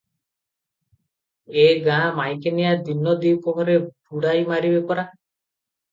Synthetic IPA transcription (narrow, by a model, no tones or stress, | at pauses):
eɡãmajkenijad̪inːɔd̪ikɔmɔɾeb̚ʱuɽajmaɾibepɔɾa